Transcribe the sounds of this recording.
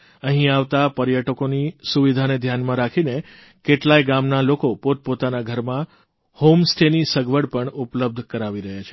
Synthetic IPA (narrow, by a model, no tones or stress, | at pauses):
ə̃ɦĩaʋt̪apəɾjəʈəkonisuʋid̪ʱaned̪ʱjanmãɾakʰine | keʈlajɡamnalokopot̪̚pot̪anaɡʱəɾmã | homsʈenisəɡʋəɽpəɳupləb̚d̪ʱkəɾaʋiɾəɦjat͡ʃʰe̥